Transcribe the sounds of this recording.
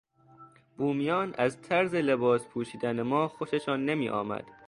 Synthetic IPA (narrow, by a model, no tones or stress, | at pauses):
b̥uːmijɒːnʔæzt̪ʰæɾzele̞bɒːspʰuːʃiːd̪ænemɒːxoʃeʃɒːnːemiːʔɒ̰ːmæ̰d̪̥